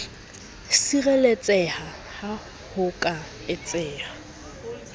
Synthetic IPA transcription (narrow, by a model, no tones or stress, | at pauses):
sirelet͡sʼɛha | ha | hʊkʼa | ɪt͡sʼɛːha